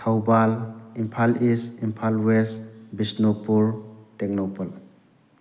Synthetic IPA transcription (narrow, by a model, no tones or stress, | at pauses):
tʰawbalimpʰalisimpʰalwesbisnopuɾtek̚nopɔl